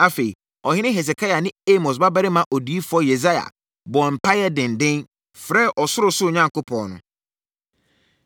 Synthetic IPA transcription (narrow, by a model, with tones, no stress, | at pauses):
a˦fe˨i˨ | ɔ˨hɪ˦nɪ̃˦ɦe˨s̬e˨kʰa˦ja˨nɪ̃˦e˦mo˨s̬ba˦bɛ˦ɾɪ˦mã˦ʔɔ˨du˨˦i˦fɔ˦je˨za˦ja̰˨ | bɔ˨m̩˨pʰa˦jɛ˦dɪ̃˨ndɪ̃˦n | fɾɛ˦ʔɔ˨sʊ˦ɾʊ˨sʊ˦˨ɲã˦ŋkʊ˦pʰɔ̃˨nʊ̰̃˨